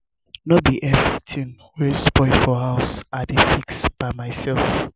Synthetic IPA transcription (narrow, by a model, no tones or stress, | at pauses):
nɔbiʔɛfɛtʰĩn | wɛsbɔɪfɔhaʊsadefiksb̥aɪmaɪsɛlf